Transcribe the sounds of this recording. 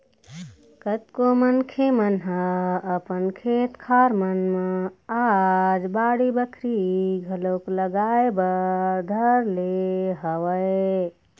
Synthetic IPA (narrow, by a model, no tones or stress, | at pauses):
kət̪komənkʰemənɦəəpənkʰet̪kʰaɾmənmead͡ʒbaɽibəkʰɾiɡʱəlokləɡaebəd̪ʱəɾleɦəwəe